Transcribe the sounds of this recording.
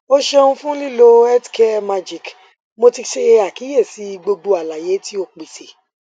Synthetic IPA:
o˦ʃe˦˧o˧ũ˧fũ˦li˦lo˦ɛ˦tke˦ma˧d͡ʒi˨k | mo˧ti˧ʃe˧a˨ki˨˦je˦˨si˨˦˧ɡ͡bo˧ɡ͡bo˧a˨la˨je˨˦ti˦o˧k͡pi˨se˨

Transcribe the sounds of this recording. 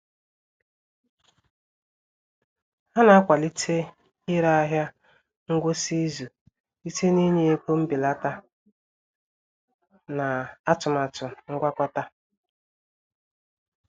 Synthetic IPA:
ha˦na˨a˦kʷa˨li˦tʰe˦ | ɪ˦ɾa˦a˦ɦja˦ | ŋ̩˦ɡʷo˦si˦zu˨ | i˦te˦ni˦ɲe˦e˦po˦m̩˦bi˨la˦ta˦ | na˨a˦tʊ˨ma˨tʊ˨ŋ̩˦ɡʷa˦kʷa˦ta˦

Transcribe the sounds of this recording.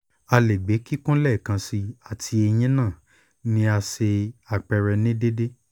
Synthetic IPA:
a˧le˨ɡ͡be˨˦ki˦kũ˦lɛ˦˨kã˧si˧a˨tʰi˧e˧j̃ĩ˦nãː˦˨ | nĩ˦a˧se˧a˨k͡pɛ˧ɾɛ˧nĩ˦de˦de˦

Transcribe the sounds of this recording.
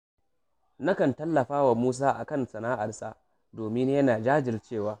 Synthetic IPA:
na˦kɐ˨ntɐ˦lːɐ˨ɸaː˦wa˨muː˦s̬aː˦ʔa˨kɐ˦˨nsɐ˨naː˦ʔa˨rsaː˦ | doː˨mɪ˦njɐ˦naː˨d͡ʒaː˦d͡ʒɪ˨rt͡ʃeː˦˨waː˦

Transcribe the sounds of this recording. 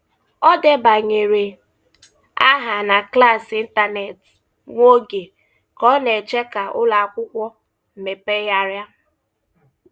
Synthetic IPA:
ɔ˦de˦ba˨ɲe˨ɾe˨ | a˦ɦa˨na˨kla˦˨si˦n̩˦ta˦ne˨t | ŋʷo˦ɡe˨ | kɔ˦ne˨t͡ʃe˦ka˨ʊ̰˦la˨a˨kʷʊ˦kʷɔ˦ | m̩˨me˨pe˦ja˦ɾja˦

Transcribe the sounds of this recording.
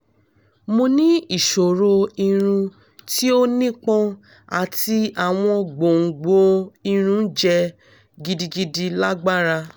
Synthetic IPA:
mo˧nĩ˦i˦˨ʃo˨ɾo˧i˧ɾ̃ũ˧ | ti˦o˦nĩ˦k͡pɔ̃˦ | a̰˨ti˧a˨w̃ɔ̃˧ɡ͡bo˨ŋ̩˨ɡ͡bo˧˦i˧ɾ̃ũ˦d͡ʒɛ˧ | ɡi˧di˧ɡi˧di˧la˦ɡ͡ba˦ɾa˧

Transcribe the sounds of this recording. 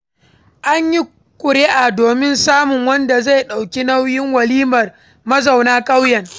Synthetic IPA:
ʔa˦ɲji˦ | kʷʼʊ˨ɽe˦ʔa˨doː˨mɪ˦nsaː˦mʊ˨ŋwɐ˦nda˨za˦˨jɗa˨wkʲi˦na˦wjɪ˦ŋwɐ˨liː˦mɐ˨r | mɐ˦za˨wnaː˦kʼa˦wjɐ˨ŋ

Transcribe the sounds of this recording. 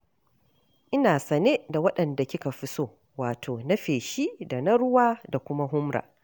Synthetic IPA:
ʔɪ˦naː˨sɐ˨neː˦da˨wɐ˦ɗɐ˨nda˨kʲɪ˦ka˨ɸɪ˦soː˦ | waː˨tʰoː˨nɐ˦ɸeː˨ʃi˦da˨na˦ɽʊ˦waː˦da˨kʷʊ˦ma˦ɦʊ˦mɾa̰ː˨

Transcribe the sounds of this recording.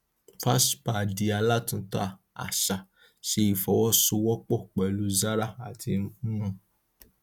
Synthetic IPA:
fa˦spa˨di˧a˧la˦tũ˧ta˦a˨ | a̰˨ʃa˨ | ʃe˧i˨fɔ˨wɔ˦su˧wɔ˦k͡pɔ˦˨k͡pɛ˨lu˨˦za˦ɾa˦˨a˨tʰĩ˧˦mã˧˨

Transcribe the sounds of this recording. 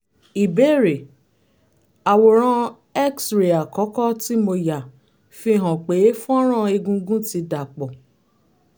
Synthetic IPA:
i˨be˨˦ɾe˨ | a˨wo˨ɾ̃ã˧ | ɛ˦ksɾe˨a˨kɔ˨˦kɔ˦ti˦mo˧ja˨ | fi˧˦˨ɦɔ̃˨k͡pe˨˦fũ˦ɔ˦ɾ̃ã˦˨e˧ɡũ˧ɡũ˦ti˧da˨k͡pɔ˨

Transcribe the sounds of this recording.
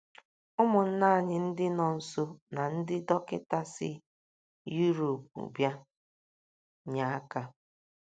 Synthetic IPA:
ʊ˦mʊ˨n̩˦na˦˨ɲɪ˨n̩˦dɪ˦nɔ˨n̩˨so˦na˨n̩˦dɪ˦dɔ˦kɪ˦ta˦sɪ̰˦ | ju˦ɾo˨p̚ṵ˨bja˦ | ɲa˨a˦ka˦

